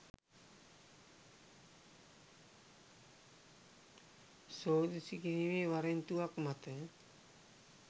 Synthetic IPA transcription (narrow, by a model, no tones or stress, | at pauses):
soːd̪isikiɾiʋeʋaɾent̪uakmat̪ə